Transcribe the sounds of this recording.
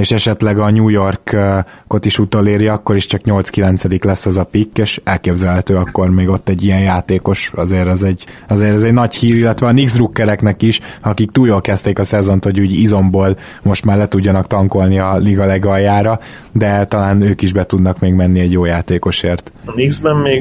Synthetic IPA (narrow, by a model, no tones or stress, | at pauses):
eːʃɛʃɛt̪lɛɡɒɲuːjo̞rkː | ko̞t̪iʃut̪oleːɾjiɒkːo̞ɾiʃt͡ʃɒkɲo̞lt̪skilɛnt̪sɛd̪iklɛsːɒzɒpikːeːʃɛlkeːbzɛlɦɛt̪øːɒkːo̞rmeːɡo̞t̪ːɛɟːijɛnjaːt̪eːko̞ʃɒzeːɾɛzɛɟ | ɒzeːɾɛzɛɟnɒchiːɾilːɛt̪ʋɛɒniɡzrukːɛɾɛknɛkiʃɒkik̚t̪uːljoːlkɛst̪eːkɒsɛzo̞nt̪ho̞ɟuːɟizo̞mboːl | mo̞ʃt̪maːrlɛt̪uɟːɒnɒkt̪ɒŋko̞lniɒliɡɒlɛɡɒjaːɾɒ | d̪ɛt̪ɒlaːnøːkiʒbɛt̪ud̪nɒkmeːɡmɛnːiɛɟjoːjaːt̪eːko̞ʃeːrt̪niɡzbɛmmeːɡ